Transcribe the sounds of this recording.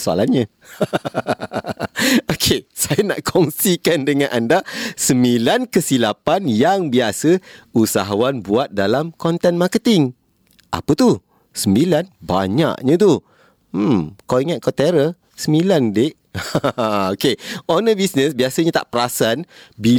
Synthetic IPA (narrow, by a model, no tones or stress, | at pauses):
soa̰lanɲã | okʰesajana̰ʔkʰɔŋsikandəŋãnʔandasəmilankəsilapanjaŋbiasəusaɦawanbuat̪̚dalamkɔnt̪ɛnmakət̪ɪŋ | ʔa̰pət̪u | səmbilanba̰ɲa̰ʔɲãt̪u | kawiŋat̪̚kat̪eɾə | səmilandeʔ | okeonəbisnəsbiasəɲãt̪a̰ʔpəɾasanbi